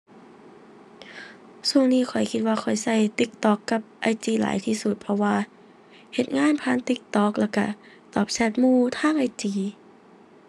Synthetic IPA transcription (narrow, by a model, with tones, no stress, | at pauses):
su˧˩əŋniː˧˥˩kʰɔ˨˩jkʰi˧t̪̚waː˧kʰɔ˨˩jsa˧˩jt̪i˧˦k̚t̪ɔː˧˩kːa˧˥p̚ʔa˧˩jt͡ɕiː˧˩la̰ː˨˦jt̪ʰiː˧˩su˧˦t̪̚pʰɔ˧waː˧ | he˨˩t̪̚ŋaː˧˥˨npʰaː˧˥˨nt̪i˧˥k̚t̪ɔː˧˩k̚lɛ˧˩wka˧˩ | t̪ɔː˨˩p̚sɛ˧˩t̪̚muː˧˩˨t̪ʰaː˧˥˨ŋʔa˧jt͡ɕiː˧˩